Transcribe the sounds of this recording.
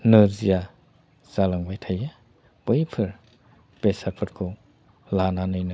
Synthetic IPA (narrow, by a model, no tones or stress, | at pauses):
nɯzija | zalaŋbajtʰaja | b̥ɯjpʰɯɾ | b̥esapʰɯɾkʰo | lananɯjnɯ